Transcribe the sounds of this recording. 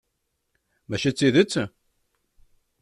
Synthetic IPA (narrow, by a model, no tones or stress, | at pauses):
mæʃæt͡sːiðət͡sː